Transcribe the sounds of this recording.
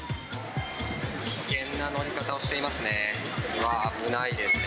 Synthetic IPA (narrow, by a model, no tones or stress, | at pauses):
kʲi̥kẽ̞nːano̞ɾʲikat̪ao̞ɕi̥t̪e̞imasɨne̞ | βaːbɯ̟naid̪e̞sɨne